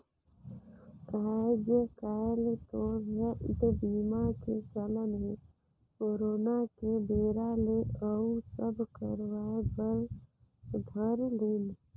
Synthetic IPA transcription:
ɾad͡ʒjəkalt̪obeʔɪd̪biːmaket͡ʃələnɦe | koːɾoːnakebeːɾaleʔəusəbʱkəɾwaebəɾ | d̪ʱəɾlen

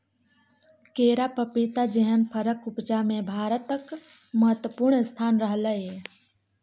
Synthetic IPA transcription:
keːɾapəpit̪ad͡ʒəɦənpʰəɾəkʊpd͡ʒamẽbʱaːɾət̪ək | məɦət̪əpuɾɳst̪ʰaːnɾəɦləe

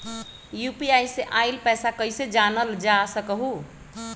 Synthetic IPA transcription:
jupiajseʔajlpɛjsakəjsed͡ʒanəld͡ʒasəkəɦu

